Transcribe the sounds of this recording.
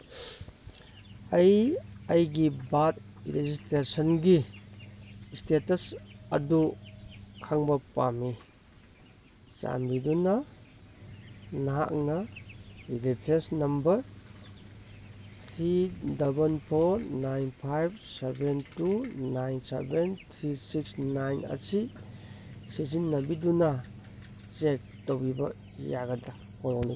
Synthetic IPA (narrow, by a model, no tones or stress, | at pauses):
ɐjɐjɡibat̚ | ɾezistɾesənɡi | stetɐsɐ̰du | kʰaŋbɐpa̰mi | sa̰mbidunɐ | naɦa̰k̚nɐ | ilepʰesnɐmbɐɾ | t̪ʰɾidabənpʰɔɾnajnpʰajb̚sebentunajnsḛbent̪ʰɾisiksnajna̰si | sizinːabiduna | t͡ʃek̚tɔwbiba̰ | jaɡata | hɔlɔni